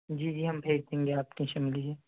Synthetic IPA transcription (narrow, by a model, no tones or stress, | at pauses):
d͡ʒiːd͡ʒiːɦɐmbʱeːd͡ʒd̪ẽːŋɡeaːpkiʃɐmlid͡ʒeː